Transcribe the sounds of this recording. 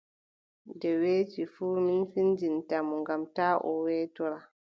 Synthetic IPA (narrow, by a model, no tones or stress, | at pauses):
dɛweːt͡ʃifuːminfind͡ʒintamɔŋɡamtaːʔɔ̰wɛːtɔɾa